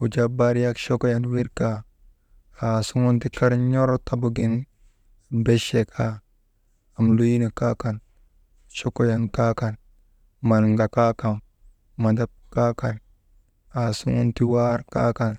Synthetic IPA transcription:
u˨d͡ʒa˦ba˦ɾja˦kʃo˦ko˦ja˦nwi˦ɾka˦ | a˨su˦ŋo˦nti˦ka˦ɾɲo˦ɾo˦tʰa˦˨bu˨ɡi˦n˨ | be˦ʃe˨kʰa˦ | a˨mlu˦ji˦na˨ka˦ka˨n | ʃo˦ko˦ja˨nka˦ka˨n | ma˨nŋɡa˨ka˦ka˨m | ma˨da˦p̚ka˦ka˨l | a˨su˦ŋo˦nti˦wa˦ɾka̰˦ka˨n

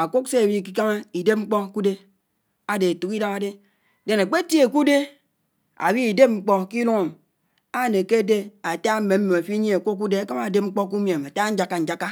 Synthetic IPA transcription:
a˨ko˦kse˦a˨wi˦˨k̬i˦ka˦ŋa˦i˨de˦p̚ŋ͡m̩˦k͡pɔ˦ku˦de˦ | a˦de˨a˨tu˨ki˦da˦ŋa˦de˦ | de˨na˨k͡pe˦ti˦e˨ku˦de˦ | a̰˨wi˦i˨de˦p̚ŋ͡m̩˦k͡pɔ˦ki˦lu˦ŋo˨m | a˦˨ne˨ke˦de˦a˨ta˦m̩˦me˨m̩˦me˨a˨fi˦ɲe˦a˨kʷo˦k̬u˦de˦a˦ka˦ma˨de˦p̚ŋ͡m̩˦k͡pɔ˦k̬u˦mje˨ma˨ta˦n̩˦d͡ʒa˨kːa˨n̩˨d͡ʒa˦kːa˦

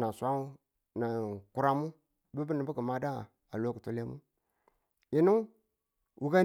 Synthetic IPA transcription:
na˨sʷa˦u˦ | na˨ku˦ɾa˦mu˦ | du˦bi˦ni˨bu˦ɡu˨ma˦da˦˨ | a˨lo˦ku˨to˦le˦mṵ˦ | i˨nu˦ | wu˦ɡa˦

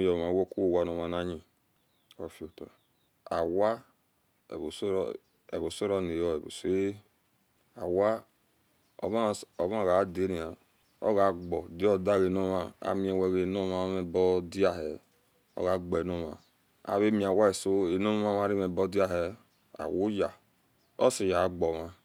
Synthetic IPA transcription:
jɔ˨ma˨˦wo˦ku˦o˦˨wa˦˨no˨ma˨na˦ɲi˨ | o˨fi˦o˨to̰˨ | a̰˨wa̰˦˨ | βo˨so˦ɾ | ḛ˨βo˨so˦ɾɔ˦ne˨jɔ˦e˨bo̰˨se˦ | a˨wa˦ | o̰˨ma˦˨o˨ma˦˨ɣa˨˦de˨˦ni˨a˨ | o̰˦ɣa˨ɡ͡bɔ˨di˦ɔ˦da˦˨ɣe˨no˦ma˨a̰˨mi˨˦e˨wɛ˨ɣe˨no˦ma˦me˨bɔ˦di˦a˦ɦɛ˨ | o̰˦ɣa˨ɡ͡bɔ˨e˨no˦ma̰˨ | a̰˨βe˦mi˨a˨wa˦e˨so˦e˨no˦m˦ma˦ma˦ɾi˦me˨bɔ˦di˦a˦ɦɛ˨ | a̰˨wu˦ja˨ | o̰˦si˨ja˨˦ɡ͡bɔ˨ma˦

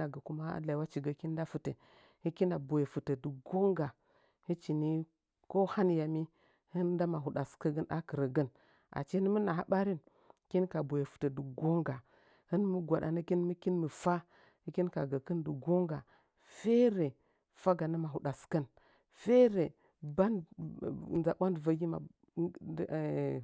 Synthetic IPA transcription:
a˨ɡə˨ku˦ma˦a̰˦la˨i˨˦wa˦t͡ʃi˨ɡə˨˦ki˦n˦da˦fu˨tə˨ | hɨ˦ki˦na˨bo˨je˨fu˨tə˨dɨ˨ɡo˦ŋɡa˨ | hɨ˦t͡ʃi˨ni˦ | ko˦ha˦nja˨mi˦ | hɨ˦nda˦ma˨ɦu˨ɗa˨skə˦ɡə˦nɗa˦kɨ˨ɾə˨ɡə˦n | ʔa̰˨t͡ʃi˦ə˦n˦mə˦na˨ɦa˦ɓa˦ɾi˦n | ki˦nka˨bo˨je˨fu̥˨tə˨du˨ɡo˦ŋɡa˨ | hɨ˦n˦mu˦ɡʷa˨ɗa̰˨nə˦ki˦nmə˦ki˦nmə˨fa˦ | hi˦ki˦nka˨ɡa˨kə˦ndə˨ɡo˦ŋɡa˨ | fe˦ɾe˨ | fa˦ɡa˨na˦ma˨ɦu˨ɗa˨skə˦n | fe˦ɾe˨ | ba˦n˨ | za˨ba˦ndvə˦ɡʲi˦ma̰˨˦˨

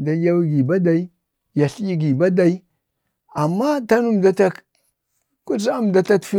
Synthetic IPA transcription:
da˨˦ja˦wi˦ɡi˨ba˦da˨i˦ | ja˨ɬi˦i˦ɡi˨ba˦da˨i˦ | a˨mːa˦ta˦nu˦mda˦ta˦ | ku˦sa˦a˦m˨da˨ta˦tfi˦

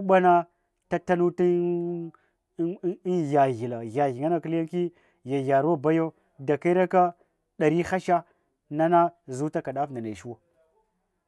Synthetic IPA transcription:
u˦ɓa˦na˦ | ta˦ta˦nu˦ti˦ | ja˨ɣi˨la˨ɣa˨ɣi˨ŋa˦na˦ki˦la˦ŋ˦ki˦ | ja˨ja˨ɾu˦wa˦˨ba˦jo˦ | da˨ka˦i˦ɾa˦ka˦ | ɗa˨ɾi˦xa˦ʃa˦ | na˦na˦zu˦ta˦ka˨ɗa˦fna˨na˨ʃu˦wa˨

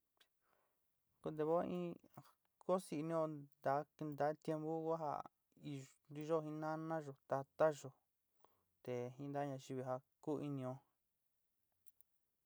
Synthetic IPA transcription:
ko˧d̪e˧βo˦ĩ˦ | ko˦si˧nĩ˦õ˧d̪a˨˦˧nd̪a˨˦t̪je˧mbu˦ɣa˦ɦa̰˧˨ | i˧ | d̪i˧ʒo˦˧ɦĩ˧˦nã˦nã˦ʒo˧t̪a˧t̪a˦ʒo˨ | t̪e˨ɦĩ˧˦nd̪a˦ɲã˧ʒi˧βi˧ɦa˧ku˦˧i˧nĩ˧õ˧˦

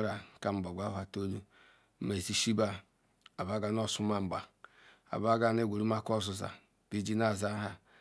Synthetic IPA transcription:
ɾa˨ka˦m̩˨ba˨ɡʷa˦˨a˨to˦lu˦ | ma˨e˨zi˦ʃi˦ba˦ | a˨ba˦ɡa˨˦no˦˨su˦ma˨m̩˨ba˨ | a̰˨ba˦ɡa˦n˦e˦ɡʷo˨ɾu˦ma˦ko˦˨zu˨za̰˨ | b̥i˦d͡ʒi˦na˦˨za˦ɦa˨

